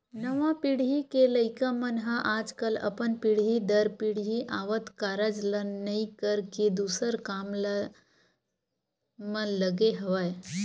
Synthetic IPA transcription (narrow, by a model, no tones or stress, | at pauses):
nəʋãpiɽ̤ɦikeləɪkamənɦaʔaːd͡ʒkəlɐ̰pənpiɽ̤ɦid̪əɾpiɽ̤ɦiʔaːʋət̪kaːɾəd͡ʒlənəikəɾked̪uːsəɾkaːmla | mə̃ləɡeɦəʋaːj